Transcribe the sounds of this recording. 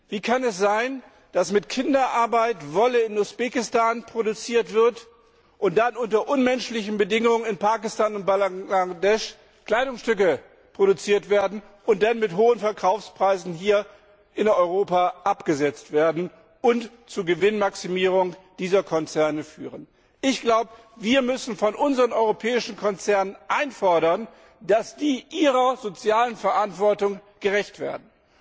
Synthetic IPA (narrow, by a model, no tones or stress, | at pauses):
v̥iːkʰanɛsz̥aɪn | d̥asmɪtkʰɪndɐʔaɐbaɪtvɔləɪnusb̥eːkɪstaːnpʁ̥oɾut͡siːɐtv̥ɪɐt | ʔʊnt̚d̥anʊntɐʔʊnmɛnʃlɪçn̩bədɪŋʊŋənɪnpaːkɪstaːnʊnt̚b̥alaadɛʃ | kl̥aɪdʊŋsʃtʏk̬ə | pʁ̥oɾut͡siːɐtv̥eːɐdn̩ | ʔʊnt̚d̥anmɪtɦoːənfɛɐkʰaʊfspʁ̥aɪzn̩ɦiːɐ | ʔɪnɔʏʁ̞oːpaʔapɡ̥əzɛt͡stv̥eːɐdn̩ | ʔʊnt | t͡suːɐɡəvɪnmaksimiːʁ̞ʊŋd̥iːzɐkʰɔnt͡sɛɐnəfy̰ːʁən | ʔɪçɡ̥laʊbə | viːɐmʏsn̩fɔnʔʊnzəʁənʔɔʏʁopʰɛːɪʃn̩kʰɔnt͡sɛɐnənʔaɪnfɔɐɾɐn | d̥asd̥iːʔiːʁɐzot͡sjaːlənfɛɐʔantv̥ɔɐtʊŋɡ̥əʁɛçtv̥ḛːɐdn̩